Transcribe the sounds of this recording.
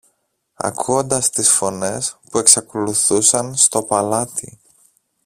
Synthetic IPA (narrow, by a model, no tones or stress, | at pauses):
ɐ̰kʰuo̞nd̪ɐst̪isfo̞ne̞spue̞ksɐko̞luθusɐnst̪o̞pɐlɐt̪i